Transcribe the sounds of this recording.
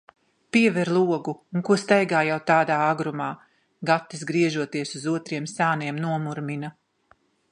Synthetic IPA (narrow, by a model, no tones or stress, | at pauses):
piɛvɛɾlˠuɔɡuuŋkuɔst̪ɛjɡaːjawt̪aːd̪aːaɡɾumaː | ɡat̪ːizɡɾiɛʒuɔt̪iɛsuzuɔt̪ɾiɛmsaːniɛmnuɔmuɾmina